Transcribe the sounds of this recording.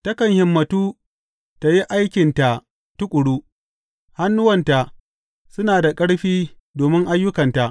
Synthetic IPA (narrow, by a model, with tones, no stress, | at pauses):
tɐ˦kɐ˨ŋhɪ˨mːɐ˨tuː˦ | ta˨ji˦ʔa˦jkʲɪ˨nta˨ | tʊ˦kʷʼʊ˨ɽuː˦ | ha˦nːʊ˦wɐ˨nta˨ʔ | sʊ˦naː˨da˨kʼɐ˦ɽɸiː˦ | doː˨mɪ˦ŋʔa˦jːʊ˦kɐ˨nta˨ʔ